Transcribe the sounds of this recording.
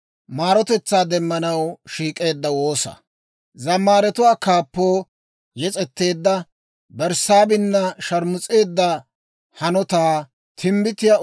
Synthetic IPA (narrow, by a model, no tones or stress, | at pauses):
maːɾɔt̪ɛt͡sːaːd̪ɛmːɐnɐwʃiːkʼe̞ːd̪ːɐwo̞ːsɐ̰ | zɐmːaːɾɛt̪ʊwaːkaːpːoː | jɛt͡sʼɛt̪ːe̞ːd̪ːɐ | bɛɾsaːbɪnːɐʃɐɾmʊt͡sʼe̞ːd̪ːɐ | hɐnɔt̪aː | t̪ʰɪmbɪt̪ɪja